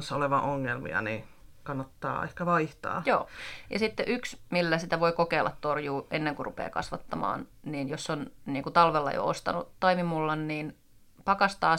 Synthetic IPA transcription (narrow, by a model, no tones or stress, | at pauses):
nsːoleʋɑ̃ʔoŋːelmḭɑ̰nikɑnːɑt̪ːɑ̰ːehkæʋɑiht̪ɑ̰ːjoːjɑsit̪ːeʔyksmilːæsit̪æʋoikokeilʔɑt̪t̪orjuːʔenːeŋkurʔupḛːkɑ̰sʋɑt̪ːɑmɑ̰ːnniːnjosːonniːŋkut̪ɑlʋelːɑ̰jo̰o̰st̪ɑ̰nut̪ɑimimulːɑnniːn | pɑkɑst̪ɑː